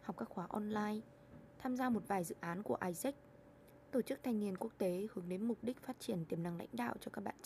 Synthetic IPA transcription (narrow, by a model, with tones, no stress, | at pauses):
ha˨˩k͡p̚kaː˦˥k̚xwaː˨˦ʔɔ˧nlaː˧j | t̪ʰaː˧mzaː˧mo˨˩t̚vaː˨˩jzɨ̰˧˨ʔaː˨˦nku˧˩əʔaː˧jsɛ˦˥k̚ | t̪o˧˩t͡ɕɨ˦˥k̚t̪ʰa˧jŋ̟ŋi˧ənku˦˥ək̚t̪e˨˦hɨ˨˦əŋɗe˨˦nmʊ˨˩k͡p̚ɗï˦˥k̟̚faː˦˥t̚t͡ɕi˧˩ənt̪i˧˩əmna˨˧˩ŋla̰˧˥jŋ̟ɗa̰ː˧˨wt͡ɕɔ˧kaː˦˥k̚ɓa̰ː˧˨n